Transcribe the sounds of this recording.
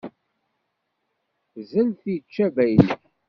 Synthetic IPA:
zəlθit͡ʃːævæjliθ

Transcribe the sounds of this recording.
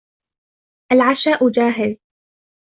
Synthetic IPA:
ʔalʕaʃaːʔʊd͡ʒaːɦɪl

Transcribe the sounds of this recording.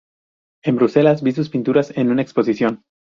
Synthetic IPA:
e̞mbɾuse̞lazbis̬uspint̪uɾase̞nunaekspo̞s̬isjo̞n

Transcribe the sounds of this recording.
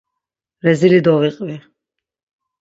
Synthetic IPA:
ɾɛzilid̪ɔviqʼvi

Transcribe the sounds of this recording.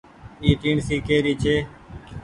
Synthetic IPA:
iːt̪iːɳsiːkeːɾiːt͡ʃʰeː

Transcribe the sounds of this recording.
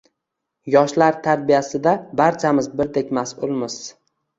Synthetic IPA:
jɒʃlaɾt̪ʰaɾ̚bijasɪd̪abaɾt͡ʃʰamɪzbɪɾd̪e̞kʲmasʊlˠmɪz̥

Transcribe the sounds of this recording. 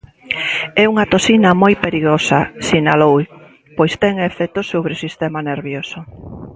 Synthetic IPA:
ɛuŋɐt̪osinɐmojpeɾiɣosɐsinalow | pojst̪ɛŋefɛt̪osoβɾɪosist̪ɛmaneɾβjoso

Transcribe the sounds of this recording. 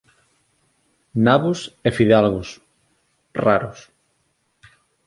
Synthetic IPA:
naβʊsefiðalɣʊs | raɾʊs

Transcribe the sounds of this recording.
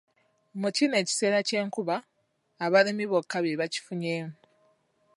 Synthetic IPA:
mucine̞ːci̥se̞ːɾace̞ːŋkuβaː | βaɾimiβokːaβjeβaci̥fuɲe̞ːmu

